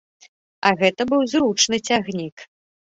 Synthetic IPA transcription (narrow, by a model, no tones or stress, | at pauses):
ɐɣɛt̪ɐbɨwzɾut͡ʂnɨt͡sʲaɣnʲik